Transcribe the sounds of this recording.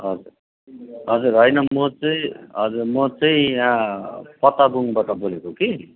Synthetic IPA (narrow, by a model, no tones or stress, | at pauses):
ɦʌd͡zur | ɦʌd͡zurɦʌjnʌmʌt͡sʌĩɦʌd͡zurmʌt͡sʌĩãpʌt̪abuŋbaʈʌbolekoki